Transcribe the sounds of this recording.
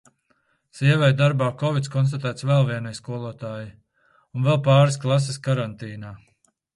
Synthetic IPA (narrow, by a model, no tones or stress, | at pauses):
siɛvɛjd̪aɾbaːkɔvit̪skɔnst̪at̪æːt̪svɛlˠviɛnajskuɔlˠuɔt̪aːji | unvɛlˠpɑːɾsklˠas̬eskaɾant̪iːnaː